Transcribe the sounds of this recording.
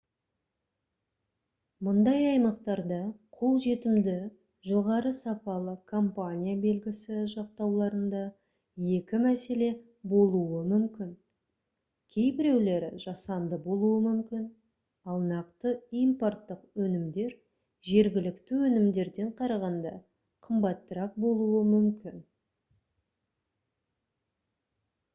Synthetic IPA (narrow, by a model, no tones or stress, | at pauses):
mʊnd̪ɑjɑjmɑqt̪ɑɾd̪ɑqʰo̞lˠʒe̞t̪ɪmd̪ɪ | ʒo̞ʁɑɾəsɑpɑlˠəkʰompanʲijabe̞lɡʲɪsɪʒɑq̚t̪ɑwlˠɑɾənd̪ɑ | je̞kʲɪmæse̞le̞ | bo̞lˠuwəmʏmkʲɪn | kʲʰe̞jbɪɾe̞wle̞ɾɪ̰ʒɑsɑnd̪əbo̞lˠuəmʏmkʲɪn | ɑlˠnɑqt̪əimport̪ːəqwɵnɪmd̪e̞ɾ | ʒe̞ɾɡʲɪlɪkt̪ɪwɵnɪmd̪e̞ɾd̪e̞ɴqʰɑɾɑʁɑnd̪ɑ̰ | qʰəmbɑt̪ːəɾɑq̚bo̞lˠuwəmʏmkʲɪn